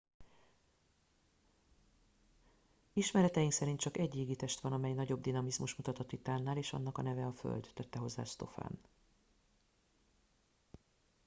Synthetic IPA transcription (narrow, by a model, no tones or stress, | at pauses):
iʃmɛɾɛt̪ɛjiŋksɛɾint̪t͡ʃɒkɛɟiːɡit̪ɛʃt̪ʋɒnɒmɛjnɒɟo̞bd̪inɒmizmuʃmut̪ɒt̪ot̪ːit̪aːnːaːleːʃɒ̰n̪ːɒkɒnɛvɛɒfø̰ld̪ːøt̪ːɛɦo̞zːa̰ːst̪o̞̰fa̰ːn